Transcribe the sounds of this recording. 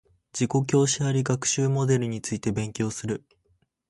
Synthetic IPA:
d͡ʑiko̞k̬ʲo̞ːɕiaɾʲiɡakɯ̟̥ɕɨːmo̞d̪e̞ɾɯ̟ɲ̟it͡sɨit̪e̞bẽ̞ŋkʲo̞ːsɨɾɯ̟

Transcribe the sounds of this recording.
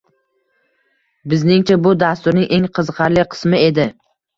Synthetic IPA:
bɪznɪŋt͡ʃʰabʊd̪ast̪ʊɾnɪŋʔe̞ŋqʰɨzqʰɑɾlɪqʰɨ̥smɪe̞d̪ɪ

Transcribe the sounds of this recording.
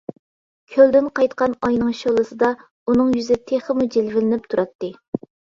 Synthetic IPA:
kʲʰøld̪ɪnqɑjt̪qɑnɑjnɨŋʃolˠɨsɨd̪ɑ | unɨŋjyzɪt̪ʰeχəmud͡ʒelvɪlɪnɪp̚t̪ʰuɾɑt̪ːɨ

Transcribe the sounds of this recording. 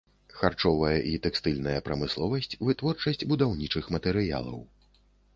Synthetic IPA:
xart͡ʂɔvɐjɐʔit̪ɛkst̪ɨlʲnɐjɐpɾɐmɨslˠɔvɐsʲt͡sʲvɨt̪vɔrt͡ʂɐsʲt͡sʲbud̪awnʲit͡ʂɨxmɐt̪ɛɾɨja̰lˠɐ̰w

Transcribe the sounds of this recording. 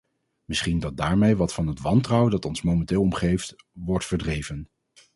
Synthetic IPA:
mɪsχindɑt̚daːɹmejʋɑtfɑnɦətʋɑntrʌwdɑtɔnsmowmɛntɪːlˠɔmχejft | ʋɔɹtfəɹdrejvən

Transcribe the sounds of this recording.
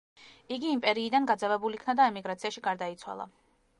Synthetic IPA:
iɡiːmpʼɛɾiːd̪anɡad̪zɛvɛbulikʰnad̪aɛmiɡɾat̪sʰiaʃiɡaɾd̪ait̪sʰwa̰lˠa̰

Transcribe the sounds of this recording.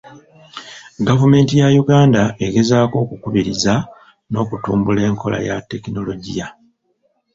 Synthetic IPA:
ɡavume̞ːntijajuɡaːndae̞ɡe̞zaːko̞ːkukuβiɾiza | no̞ːkutuːmbule̞ːŋkʰo̞lʔa̰jatːe̞kino̞lo̞ɟija

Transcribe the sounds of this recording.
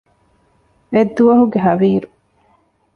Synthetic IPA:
ed̪ːuʋɐɦuɡeɦɐʋiːɾu

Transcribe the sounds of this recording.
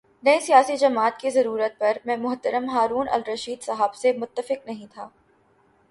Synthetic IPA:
nɐesijaːsid͡ʒɐmaːt̪kizɐɾuːɾət̪̚pɐɾmɛ̃ːmʊɦt̪əɾəmɦaːɾuːnʔɐ̰lɾɐʃiːd̪sɐɦaːbsemʊt̪ːəfɪqnɐɦĩt̪ʰaː

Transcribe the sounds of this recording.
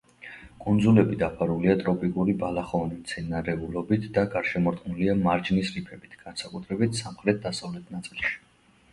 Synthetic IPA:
kʼund̪zulɛbid̪apʰaɾuliat̪ʼɾɔpʼikʼuɾibalaχɔnimt̪sʰɛnaɾɛulɔbit̪ʰd̪̥aɡaɾʃɛmɔɾt̪ʼqʼnuliamaɾd͡ʒnisɾipʰɛbit̪ʰɡ̥ansakʼut̪ʰɾɛbit̪ʰsamχɾɛt̪̚d̪asavlɛt̪ʰnat̪sʼilˠʃi̥

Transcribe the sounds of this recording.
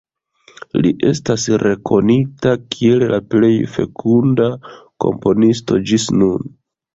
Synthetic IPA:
lḭʔe̞stasɾe̞kʰo̞nitakʰie̞llaple̞jfe̞̰kʰundako̞̰mpo̞nis̬to̞d͡ʒisnun

